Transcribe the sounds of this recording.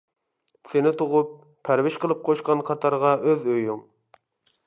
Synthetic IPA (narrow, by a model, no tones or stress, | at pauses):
sɪnɪt̪ʰoʁʊp̚ʰː | æɾwɪʃqəlˠɨp̚qʰoʃqɑnqʰɑt̪ʰɑɾʁɑʔøzøjuŋ